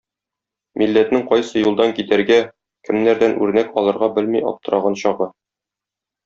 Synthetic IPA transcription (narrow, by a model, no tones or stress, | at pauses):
milːæt̪nɘŋqɒjsɤjulˠd̪ɑŋkit̪æɾɡæ | kɘ̆mnæɾd̪ænʔʉɾnækɒlˠɤ̆ɾʁɑbɘlmijɒ̰p̚t̪ɤ̆ɾʔɑʁɤnɕɒʁɤ